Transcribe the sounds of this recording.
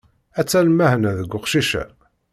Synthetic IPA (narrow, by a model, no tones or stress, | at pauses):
æt͡sːælmæhənæðəɡʷːʊqʃiʃæ̰